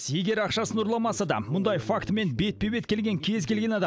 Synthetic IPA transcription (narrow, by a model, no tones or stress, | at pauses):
je̞ɡʲe̞ɾɑqʃɑsənʊɾlˠɑmɑsəd̪ɑ̰mʊnd̪ɑjfakt̪me̞nbe̞t̪̚pebe̞t̪kʲʰe̞lɡʲeŋkʲʰe̞zkʲelɡʲe̞nɑd̪ɑ